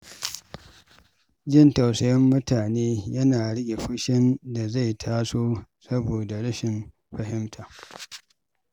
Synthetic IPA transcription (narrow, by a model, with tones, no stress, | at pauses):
d͡ʒɪ˦˨nta˨wsɐ˦jɛ˦mːʊ˦taː˨neː˦jɐ˦naː˨ɽɪ˦ɡʲe˨ɸʊ˦ʃɪ˦nda˨za˦˨jtʰaː˦soː˦sɐ˦boː˨da˨ɽɪ˦ʃɪ˨n | ɸɐ˨hɪ˦mtʰaː˨